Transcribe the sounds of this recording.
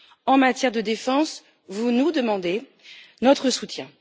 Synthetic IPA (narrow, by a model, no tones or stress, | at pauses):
ɑ̃mat̪jɛʁd̪əd̪efɑ̃s | vunud̪əmɑ̃d̪e | nɔt̪χəsut̪jɛ̃